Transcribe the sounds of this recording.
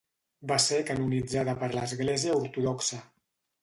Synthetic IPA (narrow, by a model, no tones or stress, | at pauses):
baseɾkanunid͡zaðəpəɾləzɣleziəuɾt̪uðɔksə